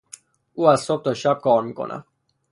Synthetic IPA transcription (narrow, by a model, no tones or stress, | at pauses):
uːæzsob̚t̪ʰɒʃæb̚kʰɒːɾmiːkʰo̰nʔæ̰m